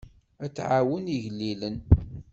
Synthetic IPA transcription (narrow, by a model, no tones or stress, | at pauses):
æt͡sːʕawəniʝlːilən